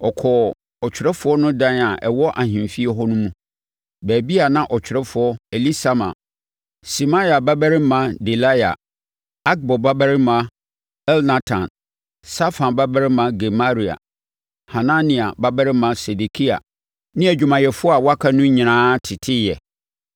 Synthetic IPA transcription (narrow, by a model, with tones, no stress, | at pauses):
ɔ˨kʰɔ˨ | ɔ˨t͡ɕʰᶣɪ˨ɾɛ˦fʊ˨˦ɔ˦nʊ̃˦dã˦na˨ʔɛ˨wɔ˦ʔa˨hĩ˨m˨fi˦ɛ˦ɦɔ˦nʊ̃˦mũ˦ | bæ˨bi˦a˨nã˦ʔɔ˨t͡ɕʰᶣɪ˨ɾɛ˦fʊ˨ɔ˦e˨li˦sa˨mã̰˨ | si˨ma˦ja˨ba˦bæ˦ɾɪ˦mã˨˦de˨la˦ja̰˨ | a˦ɡ̚bɔ˨ba˦bæ˦ɾɪ˦mã˨ | ɛ˦lna˦tʰã̰˨n | sa˦fã˨nba˦bæ˦ɾɪ˦mã˦ɡɛ˨ma˦ɾi˨a̰˨ | hã˨nã˦nĩ˨a˨ba˦bæ˦ɾɪ˦mã˨se˨de˨kʰi˦a̰˨ | nɪ̃˦æ˨d͡ʑᶣu˨mã˨jɛ˨fʊ˦a˨wa˦kʰa˦nʊ̃˦ɲĩ˨nãː˦tʰɪ˨tʰɪ˦jɛ˨